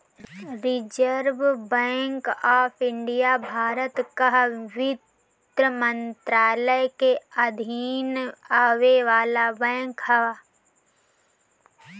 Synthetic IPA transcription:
ɾɪd͡ʒəɾʋbɛ̃ːŋkaːpʰɪ̃ɳɖijabʱaːɾət̪kaɦʋɪt̪ | ɾəmə̃nt̪ɾaːləjkeɐd̪ʱiːnaːʋeʋaːlabɛ̃ːŋkhɐʋaː

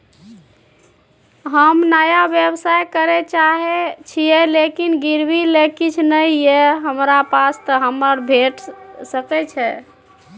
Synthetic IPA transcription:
ɦəmnəjabjebsajkəɾɛt͡ʃaɦet͡ʃʰijelekinɡiɾbilekit͡ʃʰnəjːeɦəmɾapast̪əɦəmːəɾbʱeʈsəkɛt͡ʃʰɛ

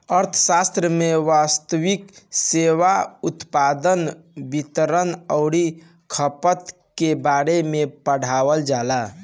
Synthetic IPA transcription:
əɾt̪ʰəsast̪ɾəmeʋast̪əwikseʋaut̪pad̪ən | bit̪əɾənəʊɽi | kʰəpət̪ | kebaɾemepəɽ̤aʋəld͡ʒala

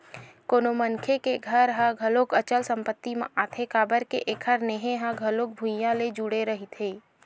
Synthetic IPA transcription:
koːnomənkʰekeɡʱəɾɦãɡʱəloːkət͡ʃəlsə̃mpət̪ːimḛ̃ʔaːt̪ʰekaːbəɾkḛʔekʰəɾneɦẽɦãɡʱəloːk̚bʱujãled͡ʒuɽeɾɐɦit̪ʰeː

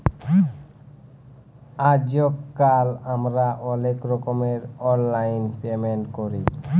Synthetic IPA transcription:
ad͡ʑokːalamɾaʔɔlekɾɔkomeɾɔnlajnpemeɳʈkoɾi

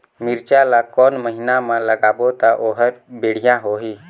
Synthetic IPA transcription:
mɪɾt͡ʃalakɔːnməɦɪnamãləɡaːbot̪aʔoːɦəɾbeːɽ̤ɪjãɦoːɦiː

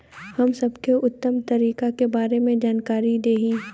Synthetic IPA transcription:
hɐmsɐbkeʊt̪ːəmt̪ɐɾiːkakebaːɾemẽd͡ʒaːnkaːɾid̪eːɦiː

